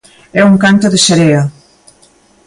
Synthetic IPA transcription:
ɛuŋkant̪oðeseɾeɐ

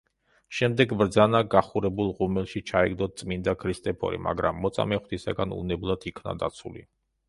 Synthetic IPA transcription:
ʃɛmd̪ɛɡvɾd̪zanaɡaχuɾɛbulˠʁumɛlˠʃit͡ʃʰaɛɡd̪ɔt̪̚t̪sʼmind̪akʰɾist̪ʼɛpʰɔ̰ɾḭma̰ɡɾamːɔt̪sʼa̰mɛχwt̪ʰisa̰ɡanṵnɛblˠat̪ʰikʰna̰d̪a̰t̪sʰulḭ

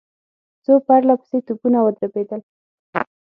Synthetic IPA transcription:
t͡sopaɾlapə̥set̪upunawəd̪ɾabed̪əl

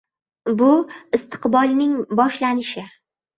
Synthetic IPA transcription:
bʊɪst̪ʰɨ̥qbɒlˠnɪŋbɒʃlanɪʃɪ

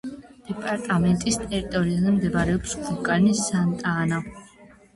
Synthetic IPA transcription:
d̪̥ɛpʼaɾt̪ʼamɛnt̪ʼist̪ʼɛɾit̪ʼɔɾiazɛmd̪ɛbɾɛɔpskʰukʼanisant̪ʼaːna

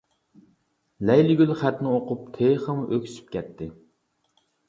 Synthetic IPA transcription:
lɛjlɪɡʲylχæt̪nɪoqʰʊp̚t̪ʰeχəmʔøkʲʰsy̥p̚kʲʰɛt̪ʰːɪ

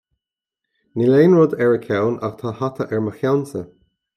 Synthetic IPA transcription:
nileːnɹɔd̪ɛɹəkʰawna̰xt̪ʰahat̪ʰəʔɛɹməxjawnsə

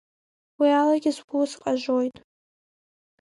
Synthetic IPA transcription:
wialaɡʲɪzɡʰʷuzqʼaʒʷojtʼ

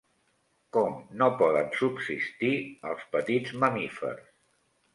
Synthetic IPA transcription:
kɔmnopɔðənsubsist̪iəlˠspət̪idd͡zməmifə̰rs

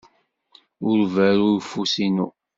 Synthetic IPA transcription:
ʊɾvæɾʊɾfusinṵ

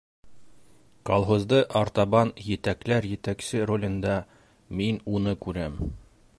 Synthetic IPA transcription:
kolˠɦŏzd̪ɤʔɑɾt̪ɑβɑnjɘ̆t̪æklæɾjɘ̆t̪æksɘɾolʲɤ̆nd̪ɑ | minunɤkʉɾæm

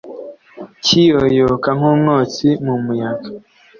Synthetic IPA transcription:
cijojokaŋumnot͡simumujaɡḁ

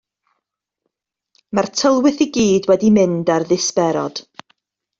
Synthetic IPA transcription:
martʰəlˠwɨθiɡiːdwɛdimɨndarðɨspɛɾɔd̥

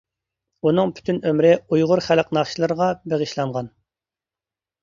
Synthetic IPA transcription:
unɨŋpʰy̥t̪ʰynømɾɪujʁʊɾχælqnɑχʃilˠɨɾəʁɑbeʁəʃlˠɑɴʁɑn

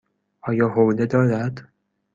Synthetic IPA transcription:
ʔɒːjɒːɦowled̪ɒːɾæd̪

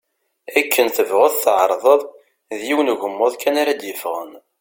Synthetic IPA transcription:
ækʰːənθəvʁʊðθʕə̰ɾˤðˤəðˤ | ðjiwənʝəmːʊðˤkænaɾad̪jəfʁə̰n

